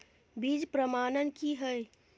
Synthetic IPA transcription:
biːd͡ʒpɾəmaːnənkiɦəj

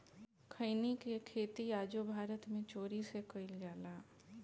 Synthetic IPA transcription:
kʰəɪnikekʰeːt̪iaːd͡ʒobʱaːɾət̪mẽt͡ʃoːɾisekəɪld͡ʒaːlaː

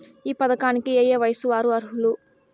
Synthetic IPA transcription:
iːpɐd̪ɐkaːnikieːjeːʋɐjɐsuʋaːɾuɐɾɦulu

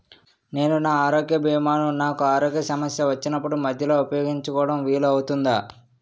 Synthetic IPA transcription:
ne̞ːnunaːaːɾoːɡjɐbʱiːmaːnunaːkuaːɾoːɡjɐsɐmɐsjɐʋɐt͡ʃːinɐpːuɽumɐd̪ʱjɐloːupɐjoːɡiɲt͡ʃukɔːɽɐmʋiːluɐwut̪und̪aː

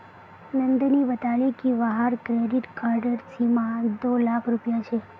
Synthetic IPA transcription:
nənd̪niʋət̪aɭikiʋaɦaɾkɾeɖiʈkaɾɖəɾsimãd̪olakʰɾupjat͡ʃʰe

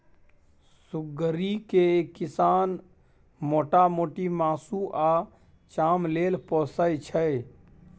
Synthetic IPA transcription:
sʊɡəɾikekɪsaːn | moːʈamoːʈimaːsuʔa | t͡ʃaːmleːlpɔːsəjt͡ʃʰə

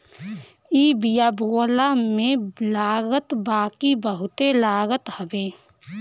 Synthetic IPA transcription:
ibijaːboːlamẽlaːɡət̪baːkibəɦʊt̪elaːɡət̪həbeː

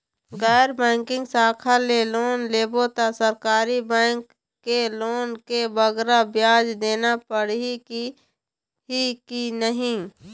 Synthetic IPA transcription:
ɡɛːɾbɛ̃ːŋkɪ̃ŋɡsaːkʰaleloːnleːbot̪asəɾkaːɾibɛ̃ːŋkː | eloːnkebəɡɾabjaːd͡ʒd̪eːnapəɽiki | ɦikinəɦĩ

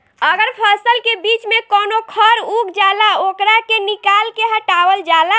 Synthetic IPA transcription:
əɡəɾpʰəsəlkebit͡ʃmekonokʰəɾukd͡ʒalaokɾakenikalkeɦəʈawəld͡ʒala

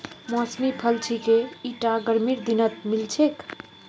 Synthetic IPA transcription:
mɔsmipʰəlt͡ʃʰikeiʈaɡəɾmiɾd̪inət̪̚milt͡ʃʰek

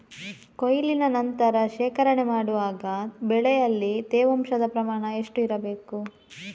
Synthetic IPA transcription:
kojlinɐnɐnt̪ɐɾɐʃɛːkɐɾɐɳemaːɽuʋaːɡɐbɛɭɛjɐlːit̪eːʋɐmʃɐd̪ɐpɾɐmaːɳɐeʂʈuiɾɐbe̞ːku

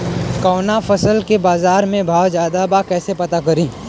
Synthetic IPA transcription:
kɔːnafʰɐsəlkebaːzaːɾmẽbʱaːwd͡ʒaːd̪abakɛːsepɐt̪akɐɾĩː

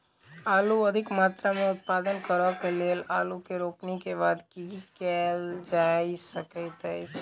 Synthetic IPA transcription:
aːluəd̪ʱɪkmat̪ɾamẽʊt̪̚pad̪ənkəɾʋakelelalukeɾoːknikebaːd̪kikɛld͡ʒaisəket̪əjt͡ʃ

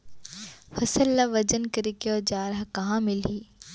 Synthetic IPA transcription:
fɐsəlːaʋɐd͡ʒənkəɾikeɔːd͡ʒaːɾəɦkɐɦãːmɪlɦiː

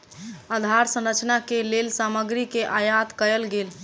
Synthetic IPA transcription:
ad̪ʱaɾsə̃ɾət͡ʃnakelelsaməɡɾikeʔajat̪kəɾəlɡel

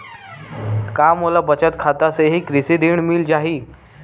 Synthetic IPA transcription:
kamolabət͡ɕət̪kʰat̪aseɦiːkɾised̪eɳmiːld͡ʑaɦiː

